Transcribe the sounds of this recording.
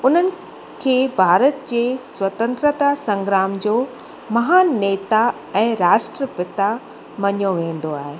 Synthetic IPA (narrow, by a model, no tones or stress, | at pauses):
ʊn̤ənɪ̆ | kʰeːbʱaːɾət̪̚d͡ʑeːswɐt̪ə̃nt̪ɾət̪asɐ̃ŋɡɾaːmd͡ʑoː | mɐɦaːnːeːt̪a | ɛ̃ːɾaːʃʈɾəpɪt̪a | mɐɲjoʋẽːn̆d̪oaːɦe